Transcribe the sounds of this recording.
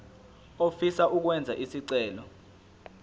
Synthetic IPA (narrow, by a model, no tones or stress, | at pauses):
ofisaʔuk̬wɛnd͡zʱaʔisiǀɛːlɔ